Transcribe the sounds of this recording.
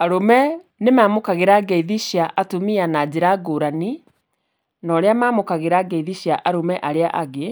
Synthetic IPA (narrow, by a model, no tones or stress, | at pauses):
aɾomɛ | nemaːmokaɣeɾaɡɛiðiɕjaʔatomianad͡ʑeɾaɡoːɾani | nɔɾeamaːmokaɣeɾaɡɛiðiɕjaʔaɾomɛʔaɾeaʔaɣe